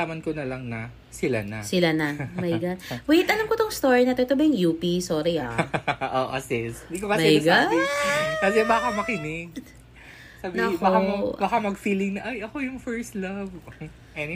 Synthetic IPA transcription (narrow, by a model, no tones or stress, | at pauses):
aːmɐnkonɐlɐŋnɐ | sɪla̰nɐsɪlanɐmɐjɡad̪wejt̪ʔɐlamkot̪oŋst̪oːɹinɐt̪oʔɛt̪obɐjʊŋjuːpisoːɾiɐʔo̰ʔo̰sɪsd̪ikopɐamɐjɡa | kɐsɛbaːkɐmɐkɪnɪɡ̚ | sabnɐbaoabakamɐɡfiːlɪŋnɐʔajʔɐkojʊŋfɛɹst̪lɐv | ʔɛn